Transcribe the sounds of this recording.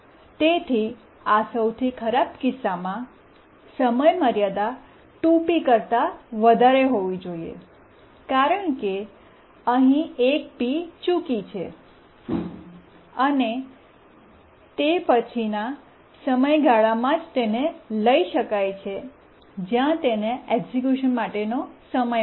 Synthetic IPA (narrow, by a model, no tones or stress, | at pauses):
t̪et̪ʰi | asəwt̪ʰikʰəɾabkɪsːamã | səməjməɾjad̪a | ʈũpikəɾt̪aʋəd̪ʱaɾeɦoʋid͡ʒoiḛ | kaɾəɳ̃ke | əɦĩek̚pit͡ʃukit͡ʃʰe | əne | t̪epət͡ʃʰina | səməjɡʱaɭamãd͡ʒt̪eneləiʃəkajt͡ʃʰe | d͡ʒjãt̪eneeɡzikjuʃənmaʈenosəməj